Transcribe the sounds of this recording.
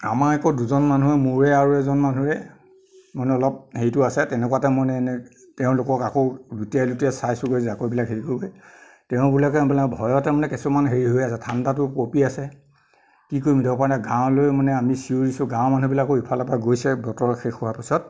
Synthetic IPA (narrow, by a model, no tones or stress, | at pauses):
a̰maɹɛkɔduzɔnmanuɛmuɹɛaɹuɛzɔnmanuɹɛ | mɔnɛɔlɔp̚hejtʊasɛtɛnɛkuwatɛmɔjnɛnɛ | tɛʊ̃lʊkɔkakodutialutɛsajsʊkoizakojbilakɦeɹikoboj | tɛʊ̃bulakɛbilabʱɔjɔtɛmanɛkɛsɔmanɦeɹiɦojasɛtʰandatʊpopiasɛ | kikoɹimdʱɔbɔpaɹnaɡãw̃lojmanɛamisiuɹisʊɡãw̃manubilakɔipʰalapaɡojsɛbɔtɔɹɔxexɔɦapisɔt̚